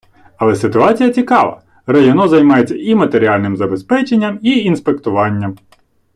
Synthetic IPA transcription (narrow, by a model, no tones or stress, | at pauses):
ɐlˠɛsɪt̪ʊɑt͡sʲijɐt͡sʲikɑʋɐ̰ | rɐjɔnɔzɐjmɑjet͡sʲːɐimɐt̪e̞ɾʲiɑlʲnɪmzɐbe̞spɛt͡ʃe̞nʲːɐmiinspekt̪ʊʋɑnʲːɐm